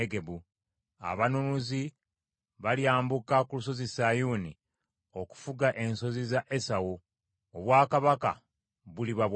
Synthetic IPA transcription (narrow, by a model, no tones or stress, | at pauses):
eɡe̞bu | a̰βanumuzi | βaljaːmbukakulus̬o̞zisajuni | o̞ku̥fuɡaʔe̞nso̞zizaʔesawu | oβwaːkaβaka̰ | βuliβaβ